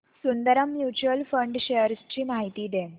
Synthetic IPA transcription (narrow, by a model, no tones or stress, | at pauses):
sund̪əɾəmːjut͡ɕuəlfəɳɖɕejəɾst͡ɕiːmaɦit̪iːd̪e